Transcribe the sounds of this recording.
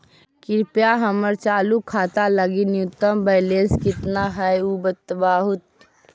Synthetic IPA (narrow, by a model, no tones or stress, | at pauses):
kɪɾpjaɦəməɾt͡ʃaːlukʰat̪aləɡinjut̪ːəmbəɪleskɪt̪naɦəjubət̪ːəbaːɦut̪